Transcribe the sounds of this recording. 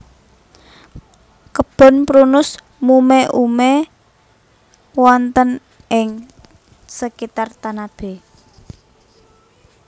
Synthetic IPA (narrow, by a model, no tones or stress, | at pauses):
kəb̥ɔ̤npɾunʊs | mumɛʔumɛ | wɔnt̪ən | ʔɪŋ | səkit̪art̪anab̥e̤